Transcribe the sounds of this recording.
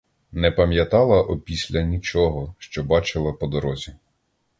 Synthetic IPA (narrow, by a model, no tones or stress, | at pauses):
nɛpɐmʲjɐt̪ɑlˠɐʔɔpʲisʲlʲɐnʲit͡ʃɔɦɔʃt͡ʃɔbɑt͡ʃɪlˠɐpɔd̪ɔɾɔzʲi